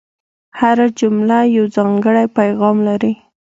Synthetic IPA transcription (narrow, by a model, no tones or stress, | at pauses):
haɾad͡ʒʊmlajawzɑŋɡəɽajpajɣɑmlaɾi